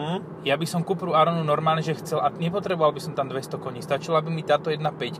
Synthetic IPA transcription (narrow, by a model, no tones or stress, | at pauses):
jabisɔmkupɾuaɾɔnunɔɾmaːlɲʒɛxt͡sɛlaɲɛpɔt̪ɾɛbɔʋalbisɔmt̪amd̪ʋɛst̪ɔkɔɲist̪at͡ʃilaabimit̪aːt̪ɔjɛd̪napɛc